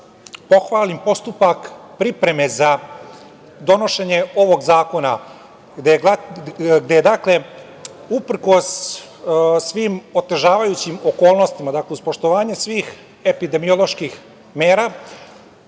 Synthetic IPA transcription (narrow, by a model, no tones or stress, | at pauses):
po̞xʋaːlimpo̞st̪upakpɾipɾe̞me̞za | d̪o̞no̞ʃe̞ɲe̞o̞ʋo̞ɡzaːko̞na | d̪e | ɡd̪ejed̪akle̞ | upr̩ko̞s | sʋimo̞t̪e̞ʒaːʋajut͡ɕimo̞ko̞ːlˠno̞st̪imad̪akleuspo̞ʃt̪o̞ʋaːɲe̞sʋiːx | e̞pid̪e̞mijo̞lˠo̞ʃkix | meːɾa